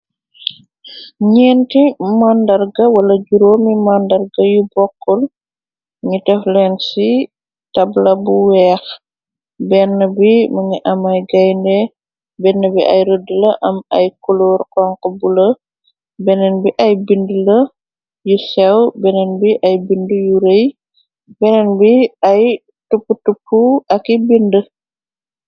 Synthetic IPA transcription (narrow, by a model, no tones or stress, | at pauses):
ɲɛːntimandɐrɡɐwɐlɐɟuɾoːmimandɐrɡɐjubɔkːɔl | ɲitɛflɛnsi | tɐblɐbuwɛːx | bɛnːəbimɐŋiʔɐmɐjɡɐjndɛ | bɛnːəbiʔɐ̰jɾədələʔɐmɐ̰jkulurkɔŋkəbulə | bɛnɛnbiʔɐjbindulə | jusɛwbɛnɛnbiʔɐjbindujuɾej | bɛnɛnbiɐj | tupːutupːuɐkibində